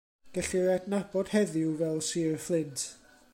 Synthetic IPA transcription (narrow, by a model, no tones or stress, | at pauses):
ɡ̥əɬɪɾadnab̥ɔd̥hɛðɪwvɛlˠsiːrflˠɪntʰ